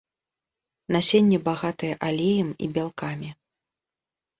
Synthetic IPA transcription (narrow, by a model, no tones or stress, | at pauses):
nasʲenʲːɛbaɣat̪ɐjɛʔalʲejɐmḭbʲalˠkamʲi